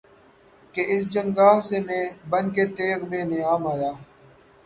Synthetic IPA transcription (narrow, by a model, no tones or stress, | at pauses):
keːʔɪsd͡ʒəŋɡaːɦseːmẽːbənkeːt̪eːɡmẽːneaːmaːjaː